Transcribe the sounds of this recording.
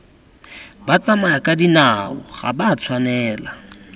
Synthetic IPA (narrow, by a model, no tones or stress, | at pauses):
bat͡samaakʼadinaɔ̰ɣa̰bat͡sʰwanɛːla